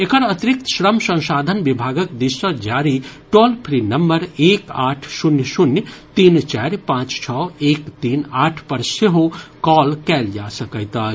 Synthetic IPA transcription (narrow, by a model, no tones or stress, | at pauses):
ekəɾət̪ɾik̚t̪ʃɾəmsə̃nsaːd̪ʱənʋibʱaːɡəkd̪iʃːəd͡ʒaːɾiʈoːlpʰɾinəmbəɾeːkaʈʰsunjsunjt̪iːnt͡ʃɛɾpãt͡ʃt͡ʃʰɔeːkt̪iːnaːʈʰpəɾseɦokɔːlkɛld͡ʒasəkəjt̪a